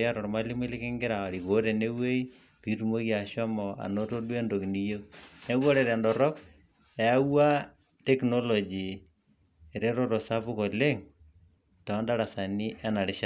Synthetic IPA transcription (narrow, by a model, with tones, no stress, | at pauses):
a˦ɾɔ˨ɾma˦li˦mi˦lɪ˦kɪ˦ŋɡɪ˦ɾa˨ɾi˨ko˨ɾe˨ne˦we˦i˦ | pi˨˦tu˨mo˦kia˨ʃɔ˦mɔ˨a̰˨no˦to˦dwe˦ndo˨kni˦jo˦ne˦ɣo˦ɾe˨ɾe˨ndɔ˨ɾɔ˦k̚ | e˨a˦wa˦ | te˦kno˦lo˨d͡ʒi˨ | e˨ɾe˦ɾo˦ɾo˨sa˦pu˦kɔ˨le˦ŋ | tɔ˨˦nda˦ɾa˨sa˨ni˦ʔɛ˦na˨ɾɪ˦ʃa˦